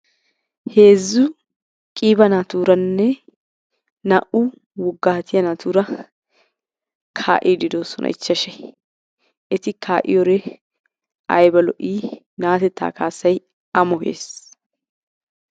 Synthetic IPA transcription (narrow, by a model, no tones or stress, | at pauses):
he̞ːzːʊ | kʼiːbɐnaːt̪uːɾɐnːɛ | nɐʔʊ | wʊɡːaːt̪ɪjɐnaːt̪uːɾɐ | kʰa̰ːʔiːd̪ɪd̪o̞ːsɔnʔɐ̰ʔɪt͡ʃːɐʃɛ | ʔɛt̪ɪkʰaːʔɪ̰jɔɾɛ | ɐ̰jbɐlɔʔiː | naːt̪ɛt̪ːa̰ːkaːsːɐj | ɐmɔhḛːs